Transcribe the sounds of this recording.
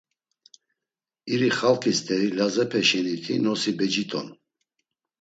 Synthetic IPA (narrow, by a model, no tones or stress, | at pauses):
iɾiχalkʰist̪ʰɛɾilazɛpʰɛʃɛnit̪ʰḭnɔsibɛd͡ʒit̪ʼɔn